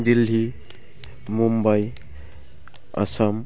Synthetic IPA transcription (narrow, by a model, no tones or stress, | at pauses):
dilɦi | mumbaj | ɐ̰sam